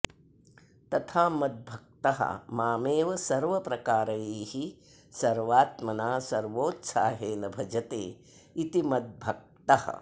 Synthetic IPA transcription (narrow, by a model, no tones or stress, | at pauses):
t̪ɐt̪ʰaːmɐd̪̚bʱɐk̚t̪ɐɦɐ̰maːmeːʋɐsɐɾʋɐpɾɐkaːɾɐjeːhi | sɐɾʋaːt̪mɐnaːsɐɾʋoːt̪sa̰ːɦeːnɐbʱɐd͡ʒɐt̪eː | it̪imɐd̪̚bʱɐk̚t̪ɐhɐ̰